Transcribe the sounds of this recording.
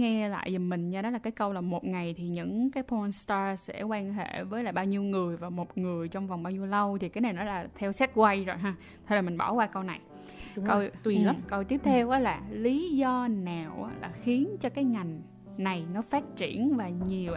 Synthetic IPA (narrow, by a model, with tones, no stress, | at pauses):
ŋɛ˧la̰ː˧˨jzə˨˩mï˨˩ŋ̟ɲaː˧ɗɔ˨˦laː˨˩kːaː˨˦jkə˧wlaː˨˩mo˨˩t̚ŋa˨˩jt̪ʰi˨˩ɲɨ̰˧˥ŋkaː˨˦jpʰo˧nst̪aː˧sɛ̰˧˥kwaː˧nɦḛ˧˩˨vəː˨˦jlaː˨˩ɓaː˧wɲi˧əwŋɨ˨˩əjvaː˨˩mo˨˩t̚ŋɨ˨˩əjt͡ɕɔ˧wŋ͡mva˨˩wŋ͡mɓaː˧wɲi˧əwlə˧wt̪ʰi˨˩kaː˨˦jna˨˩jnɔ˨˦laː˨˩t̪ʰɛ˧wsɛ˦˥t̚kwa˧jzo˨˩jɦaː˧ | t̪ʰə˧la˨˩mi˨˩ŋɓɔ˧˩kwaː˧kə˧wna˨˩j | kə˧wi˧˨˩kə˧wt̪i˦˥əp̚t̪ʰɛ˧wʔaː˨˦laː˨˩li˨˦zɔ˧naː˨˩wʔa̰˨˦la̰ː˨˩xi˨˦ənt͡ɕɔ˧kaː˨˦jŋa˨˩jŋ̟ | na˨˩jnɔ˨˦faː˦˥t̚t͡ɕḭ˧˩˨ənvaː˨˩ɲi˨˩əw